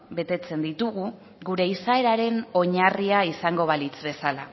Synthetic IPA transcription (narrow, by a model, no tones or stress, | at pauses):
be̞t̪e̞t͡se̞nd̪it̪uɣu | ɣɡuɾe̞isae̞ɾaɾe̞no̞ɲariaisaŋɡo̞β̞alit͡sβe̞sala